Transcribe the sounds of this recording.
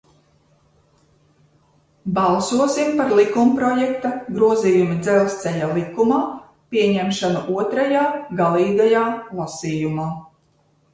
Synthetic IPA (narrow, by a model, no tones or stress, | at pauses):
bɑlˠsuɔsimpaɾlˠikumpɾɔjɛkt̪aɡɾuɔziːjumid̪zɛlˠst̪sɛʎalˠikumaː | piɛɲɛmʃanuʔuɔt̪ɾajaːɡalˠiːɡajaːlˠasiːjumaː